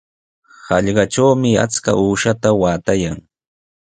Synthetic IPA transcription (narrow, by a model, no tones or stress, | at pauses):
hɑʎɢɑʈ͡ʂawmɪa̰t͡ska̰ʔuːʃat̪awaːt̪ajaŋ